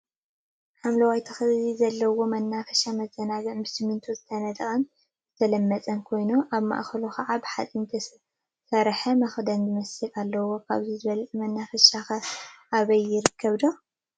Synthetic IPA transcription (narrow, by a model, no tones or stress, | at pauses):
ħamlɐwajt̪ʰɐxɨzizɐlːɐwo̞mɐnːafɐʃamɐzɐnaɡɨʕmbɨsɨmːɨnt̪ʰuzɨt̪ʰɐnɐt̪ʼɐχʼɐn | z̥ɨt̪ʰɐlɐmːɐt͡sʼɐnkʰo̞jnuʔaβma̰ʔxɐloxʰɐʕabɨħat͡sʼint̪ʰ | sɐɾħɐmɐxd̪ɐnzɨmɐsɨlʔalːɐwo̞kʰa̰βzizɨβɐlʔmɐnːafɐʃaxɐʔaβɐjːɪɾɨkʰːɐβd̪o